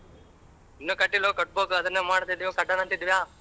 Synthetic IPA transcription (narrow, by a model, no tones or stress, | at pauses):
inːuːkɐʈːilokɐʈ̚boːkuɐd̪ɐɾnːemaːɽt̪id̪ijoːkɐʈːɐnɐnt̪id̪ʋjaː